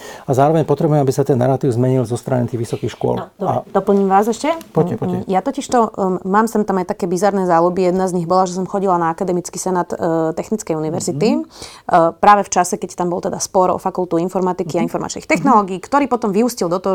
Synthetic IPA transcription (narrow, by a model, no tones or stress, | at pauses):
azaːɾɔʋɛɲpɔt̪ɾɛbujɛmabisat̪ɛna̰ɾat̪iːʊzmɛɲilzɔst̪ɾa̰ɲɛt̪iːʋisɔkiːxʃkʊɔ̰ld̪d̪ɔpl̩ɲiːmʋaːzɛʃcɛpɔpɔjat̪ɔciʃt̪ɔmaːmsɛmt̪amajt̪akɛːbizaɾnɛzalubijɛd̪nazɲiɣbɔlaʒɛs̬ɔmxɔɟilanaakad̪ɛmit͡skisɛnaːt̪t̪ɛxnit͡skɛjuniʋɛɾzit̪i | pɾaːʋɛft͡ʃasɛkɛct̪ambɔlˠt̪ɛd̪aspɔɾɔ̰fakulˠt̪uinfɔɾmat̪ikiainfɔɾma̰t͡ʃnḭxt̪ɛxnɔlɔːɡiːkt̪ɔɾiːpɔt̪ɔmʋiuscild̪ɔt̪ɔ